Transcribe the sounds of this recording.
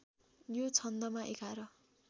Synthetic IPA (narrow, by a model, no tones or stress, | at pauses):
jot͡sʰʌnd̪ʌmaʔekaɾʌ